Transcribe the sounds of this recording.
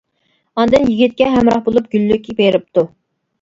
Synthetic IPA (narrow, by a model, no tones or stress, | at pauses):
ɑnd̪ɨnjiɡʲit̪̚kʲɛɦɛmɾɑχbolˠup̚ɡʲylːykʲʰibeɾɪp̚t̪u